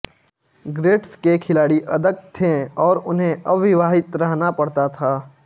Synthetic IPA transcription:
ɡɾeːʈskekʰɪlaːɽiʔɐd̪əɡ̚t̪ʰẽɔːɾʊnɦẽɐʋɪʋaːɦɪt̪ɾɐɦnapɐɽ̤t̪at̪ʰaː

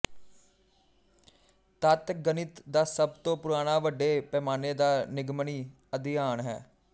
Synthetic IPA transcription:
t̪ət̪ɡənɪt̪d̪aːsəbt̪õːpʊɾaːɽ̃aːʋəɖːeːpɛːmaːneːd̪aːnɪɡməɳiː | əd̪ijaːɳɦɛ̰ː

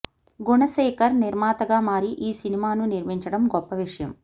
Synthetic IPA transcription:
ɡuɳɐʃɛːkɐɾniɾmaːt̪ɐɡaːmaːɾiʔiːsinimaːnuniɾmiɲt͡ʃɐɽɐmɡɔpːɐʋiʂɐjɐm

